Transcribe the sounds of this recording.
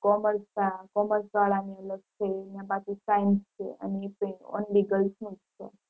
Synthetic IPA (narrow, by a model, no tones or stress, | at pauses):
kɔməɾsakɔməɾsɡaɭaniələɡ̚t͡ʃʰeːnjãbat̪isajnst͡ʃʰḛə̰nepĩɔ̰nliɡəlsmitt͡ʃʰḛ